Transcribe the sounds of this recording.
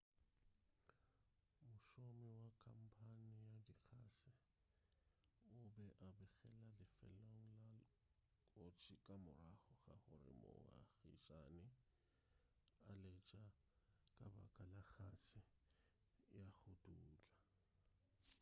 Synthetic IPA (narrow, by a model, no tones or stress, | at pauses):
mʊʃomiwakʰam̩pʰanɪjadik͡xʰaːsɪ | ʊbɛʔabɪɣɛlalɪfɛ̰loŋ̩la | kʼot͡ʃʰikʼamʊraχʊχa̰χʊrɪ̰mʊ̰a̰ɣḭʃʼanɪ | alɛt͡ʃʼa | kʼaba̰kʼalak͡xasɪ | jaɣʊduːt͡ɬʼa